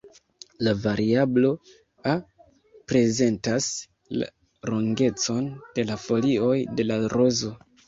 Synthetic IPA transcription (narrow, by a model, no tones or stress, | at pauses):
lavaɾʔiablo̞ | a | pɾe̞ze̞ntas | la̰ | ɾo̞ŋɡe̞t͡so̞nd̥e̞lafo̞lio̞jde̞laɾo̞zo̞